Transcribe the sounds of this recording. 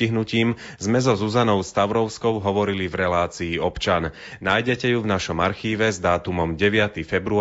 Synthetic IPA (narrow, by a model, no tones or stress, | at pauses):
iɦnuciːm | zmɛzɔzuzanɔʊst̪aʊɾɔʊskɔʊɦɔʋɔɾilivɾɛlaːt͡siːɔpt͡ʃan | naːjɟɛcɛjuvnaʃɔmaɾxiːʋɛzd̪aːt̪umɔmɟɛʋɪat̪ifɛbɾu